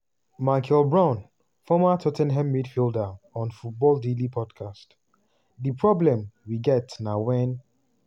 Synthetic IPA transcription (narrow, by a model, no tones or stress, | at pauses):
maɪkʰɛlbɹãn | fɔmatʰɔtɛ̃nɦɛ̃mmidfildaɔ̃nfut̚bɔldelipʰɔdkʰast | dipʰɹɔblɛ̃mwiɡɛtnawɛ̃n